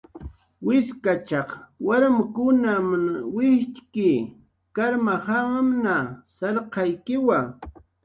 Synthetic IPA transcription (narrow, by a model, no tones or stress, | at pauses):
wɪskat͡ʃɑχwaɾamkʊnamaŋwɪt͡ʃkiː | kaɾmahamnasɑɾqɑjkɪwa